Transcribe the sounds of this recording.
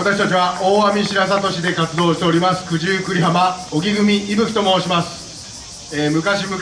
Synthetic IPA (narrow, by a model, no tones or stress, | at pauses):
at̪akɕi̥t̪at͡ɕiβaʔo̞ːamʲiɕiɾas̬at̪o̞ɕid̪e̞kat͡sɨd̪o̞ːɕi̥t̪e̞o̞ɾʲimasɨ̥kɯ̟ʑɨːkɯ̟ɾʲiɦamao̞ɡʲiɡɯ̟mʲiʔimɯ̟çi̥t̪o̞mo̞ːɕimasɨ̥ | eːmɯ̟kaɕimɯ